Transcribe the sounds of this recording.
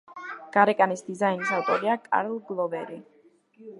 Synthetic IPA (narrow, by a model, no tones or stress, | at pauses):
ɡ̥aɾɛkʼanisd̪izajnisawt̪ʼɔɾiakʼa̰ɾlˠɡlˠɔvɛɾi